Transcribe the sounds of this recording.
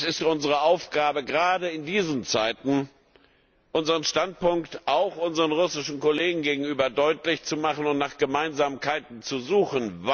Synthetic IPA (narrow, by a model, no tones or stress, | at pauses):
sɪstʔʊnzəʁəʔaʊfɡ̥aːbəɡʁaːdəɪndiːzən̩t͡saɪtn̩ | ʔʊnzəʁənʃtant̚pʊŋktʔaʊxʔʊnzəʁənʁʊsɪʃn̩koleːɡŋ̩ɡeːɡŋ̩yːbɐdɔʏtlɪçt͡sumaχən̩ʊntnaːχɡ̥əmaɪnzaːmkʰaɪtn̩t͡suzuːxən̩v